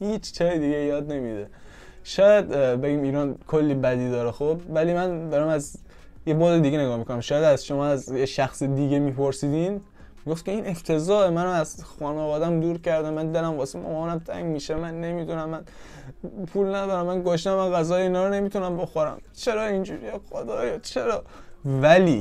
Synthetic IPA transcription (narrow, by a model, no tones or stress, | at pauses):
hiːt͡ʃt͡ʃʰɒːid̪iɡejɒːd̪ne̞mid̪e | ʃɒːjæd̪beɟiːmiːɾɒːnkʰolːiːbæd̪iːd̪ɒːɾexob̚væliːmænd̪ɒːɾæmæz | jeboːzed̪iɡeneɡɒːhmikʰonæmʃɒːjæd̪æzʃomɒːæzjeʃæxsid̪iɡemiːpʰoɾsiːd̪im | miɡoft̪kʰʲe̞iːneft̪ʰe̞zɒːemænæmæzxɒːnɒvɒːd̪æmd̪uːɾcʰæɾd̪æmmænd̪elæmvɒːsemo̰mɒːnæmt̪ʰæ̰ŋɟmiʃemænːe̞mid̪unæmːæn | pʰuːlnæd̪ɒːɾæmːænɡoʃt̪æmːænɣæzɒːjeiːnɒːɾɔne̞miːt̪ʰunæmbo̞xoɾæ̰mt͡ʃʰe̞ɾɒːind͡ʒuːɾiexod̪ɒːjɒt͡ʃʰe̞ɾɒːvæliː